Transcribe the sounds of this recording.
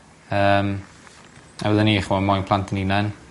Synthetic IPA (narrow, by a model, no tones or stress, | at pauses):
əːm | a̰wəðəniχmɔmɔjnpʰl̥ˠantʰəninan